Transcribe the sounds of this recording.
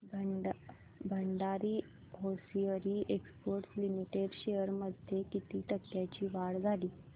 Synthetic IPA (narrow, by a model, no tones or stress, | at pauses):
bʱ | bʱəɳɖaɾiː | ɦosijəɾiːʔekspəɾʈslimiʈeɖɕejəɾməd̪ʱjekit̪iːʈəkːjat͡ɕiːʋaɽd͡zʱaliː